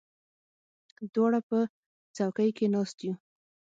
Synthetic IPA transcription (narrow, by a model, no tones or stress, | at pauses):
d̪wɑɽapə | t͡sawkəjkenɑst̪ju